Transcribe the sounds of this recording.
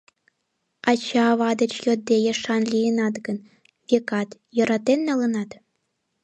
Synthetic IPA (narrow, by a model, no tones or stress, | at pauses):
ɑt͡ɕɑːβɑd̪ə̆t͡ɕjod̪ːejeʃɑnlʲijenɑt̪ɡən | βʲekɑt̪jɤ̆ɾɑt̪enːelˠɯnɑt̪